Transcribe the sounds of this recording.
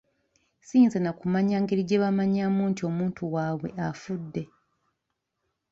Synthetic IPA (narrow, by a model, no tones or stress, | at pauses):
siːnzanakumaɲaŋɡeɾiɟeβamaɲamuːntio̞muːntʰuwaːwe̞̰ʔafudːe̞